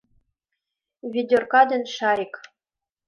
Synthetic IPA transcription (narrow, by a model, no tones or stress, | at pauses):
vʲidʲorkɑd̪ɘ̆nʃɑɾʲik